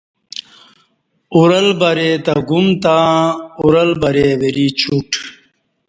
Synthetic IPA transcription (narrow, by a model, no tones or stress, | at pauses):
uɾɐlbɐɾet̪ɐɡumt̪ãuɾɐlbɐɾeweɾit͡ɕʰuʈ